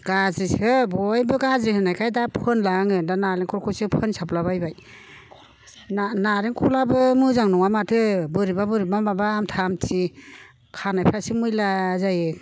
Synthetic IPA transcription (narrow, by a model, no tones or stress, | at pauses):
ɡ̥azɾisɯbɔjbɯɡazɾihɯnajkʰajdapʰɯnlaŋɯndanaɾeŋkʰɔɾkʰɔsɯpʰɯnsaplabajbaj | nanaɾeŋkʰulabɯmɯzaŋnɔŋamatʰɯbɯɾibabɯɾibamabaːmtʰamtʰi | kʰanajpʰɾasimɯjlazaje